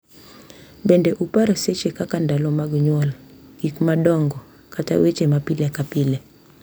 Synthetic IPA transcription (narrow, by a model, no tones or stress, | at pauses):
bɛndɛʔupaɾɔset͡ʃekakandalɔmaɡɲwɔlɡ̥ikmaɗɔŋɡɔ | kata̰wet͡ʃemapilekapilɛ